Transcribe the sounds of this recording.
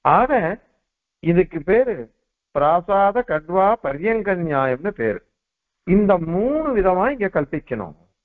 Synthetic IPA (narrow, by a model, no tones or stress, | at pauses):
aːɣɐ | ɪðɯkːɯpeːɾɯ | pɪɾaːsaːðɐkɐʈʋaːpɐɾjɐŋɡɐnɲaːjɐmnɯpḛːɾ | ɪnd̪ɐmuːɳɯʋɪðɐmaːɪŋɡeːkɐɭpɪkːɐnʊ̰̃ː